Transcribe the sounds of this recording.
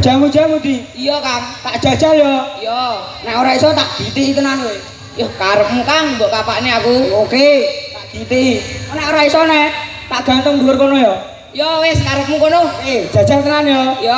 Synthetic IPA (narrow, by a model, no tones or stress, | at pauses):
d͡ʒ̥amu̥d͡ʒamud̪iijɔkaŋt̪aʔd̥ʒ̥a̤d̥d͡ʒ̥aljɔjɔ | nɛʔoɾaisɔt̪aʔɡ̥it̪iit̪ənane | jɔkaɾəp̚mukaŋmbɔʔkapaʔniakuoket̪aʔb̥it̪iɔnɛʔoɾaisɔnɛ | t̪aʔɡ̥ant̪əŋd̪ulʊrkonojɔ | jɔweskaɾəp̚mukonoked̥ʒ̥ḁd͡ʒ̥alt̪ənanjɔjɔ